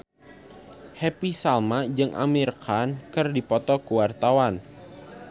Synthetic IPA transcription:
hɛpisalmad͡ʒɨŋʔa̰mirkʰankɨrdipɔt̪ɔkuwart̪awan

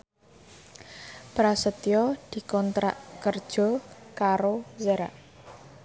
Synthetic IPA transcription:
pɾasət̪jɔd̪̥i̤kɔnt̪ɾa̰ʔkərd̥ʒ̥ɔ̤kaɾozəɾa̰ʔ

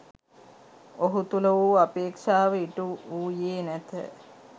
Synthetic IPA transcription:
oɦut̪uləʋuːapeːkʂaːʋəiʈuuːjeːnæt̪ə̰

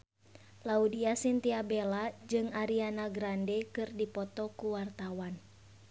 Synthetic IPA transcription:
laudiasint̪iabɛlad͡ʒɨŋaɾianaɡɾandɛkɨrdipɔt̪ɔkuwart̪awan

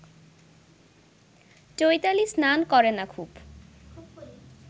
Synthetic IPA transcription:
t͡ɕojt̪alisnankɔɾenakʰuːb

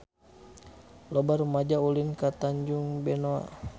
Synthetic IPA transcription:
lɔbarumad͡ʒaulinkat̪aɲd͡ʒuŋbɛnoa̰

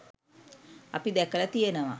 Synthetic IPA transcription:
apid̪ɛkələt̪ijenəʋa

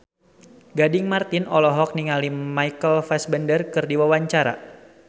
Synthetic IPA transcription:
ɡadɪŋmart̪ɪnɔlɔɦɔk̚niŋalimajkəlfɛsbəndərkɨrdiwawaɲt͡ʃaɾa̰

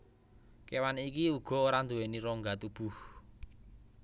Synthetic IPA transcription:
kewanikiuɡ̥ɔ̤oɾand̪uweniɾɔŋɡat̪ub̥ṳh

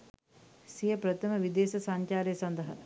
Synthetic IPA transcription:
sijəpɾət̪ʰəməʋid̪eːsɐsɐɲt͡ʃaːɾejsɐnd̪ɐɦɐ̰

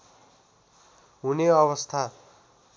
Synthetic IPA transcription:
ɦuneʌβʌst̪ʰa

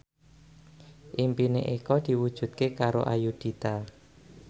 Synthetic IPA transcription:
ʔimpineʔikɔd̪̥i̤wud̥ʒ̥ṳt̪̚kekaɾo̰ʔajud̪̥i̤t̪a

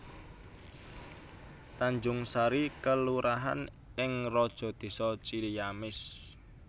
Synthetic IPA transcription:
t̪aɲd͡ʒʊŋsaɾikəluɾʔaɦa̰n | ɪŋrɔd̥ʒ̥ɔ̤d̪̥e̤sɔt͡ʃilijamɪs

